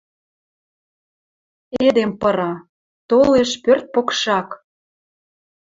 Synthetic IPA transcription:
ed̪empəɾɑ | t̪oleʃpørt̪̚pokʃɑk

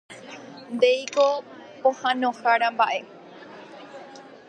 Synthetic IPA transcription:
nd̪ejkopohãnõhaɽambaʔe

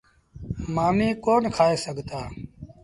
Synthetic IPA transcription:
maːmiːkoːnkʰaːeːsəɡʱt̪aː

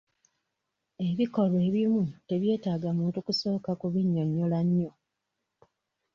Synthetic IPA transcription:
e̞βiko̞lwe̞ːβimute̞βje̞ːtaːɡamuːntukuso̞ːkakuβiɲːoɲːolaɲːo

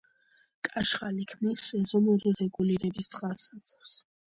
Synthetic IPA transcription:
kʼaʃχalikʰmnisːɛzɔnuɾiɾɛɡuliɾɛbist̪sʼqʼalˠsat̪sʰʼɛfs

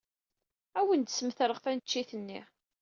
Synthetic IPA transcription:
æwənd̪səmθəɾˤəʁθænət͡ʃːiθənːḭ

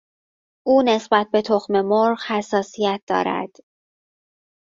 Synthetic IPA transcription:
ʔuːne̞sbæt̪̚be̞t̪ʰoxme̞moɾɢhæsːɒːsijæt̪̚d̪ɒ̰ːɾæ̰d̪̥

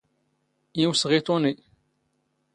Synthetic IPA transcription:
jiwsʁit̪ˤoni

